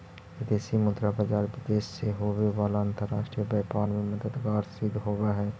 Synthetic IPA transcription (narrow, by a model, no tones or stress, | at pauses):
ɪd̪eːsimʊ̃t̪ɾapəd͡ʒaːɾʋɪd̪eːʃseɦoːʋeʋaːlaə̃nt̪əɾaːʃʈɾiəbɛːpaːnmẽmɐd̪əd̪ɡaːɾsɪd̪ʱɦoːʋaɦɛː